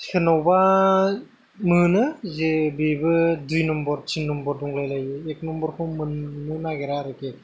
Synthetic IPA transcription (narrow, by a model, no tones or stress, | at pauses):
kʰɯnɔwba | mɯnɯzebebɯdujnɔmbɔɾtʰinːɔmbɔɾduŋlajlajɡɯek̚nɔmbɔɾkʰɯwmɯnːɯnaɡeɾaɾɯke